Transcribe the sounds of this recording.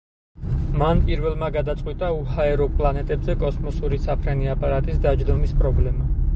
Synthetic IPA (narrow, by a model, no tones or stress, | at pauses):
manpʼiɾvɛlˠmaɡad̪at̪sʼwit̪ʼauhaɛɾɔpʼlˠanɛt̪ʼɛbzɛkʼɔsmɔsuɾisapʰɾɛniapʼaɾat̪ʼisd̪ad͡ʒd̪ɔmispʼɾɔblɛma